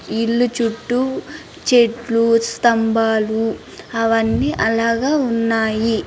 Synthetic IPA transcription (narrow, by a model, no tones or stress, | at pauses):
iɭːut͡ʃuʈːu | t͡ʃeʈlust̪ɐmbaːlu | ɐʋɐnːiʔɐlaːɡaːunːaːji